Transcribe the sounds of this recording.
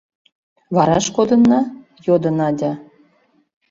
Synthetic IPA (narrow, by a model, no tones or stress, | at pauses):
βɑɾɑʃkod̪ɤ̆nːɑ | jod̪ɤnɑd̪ʲɑ